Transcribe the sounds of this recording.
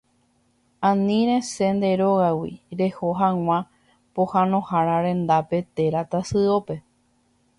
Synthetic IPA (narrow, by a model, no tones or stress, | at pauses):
ãnĩɾẽse̞nd̪e̞ɾoɣawḭɾe̞hoɦãw̃ã | pohãnõ̞haɾaɾẽ̞nd̪ape̞t̪e̞ɾat̪asɨope̞